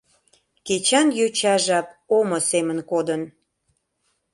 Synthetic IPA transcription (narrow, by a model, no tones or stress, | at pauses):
ket͡ɕɑnjøt͡ɕɑʒɑp̚omosemənkod̪ən